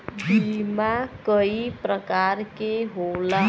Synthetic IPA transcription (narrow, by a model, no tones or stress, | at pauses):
bimakəipɾəkaɾkeɦola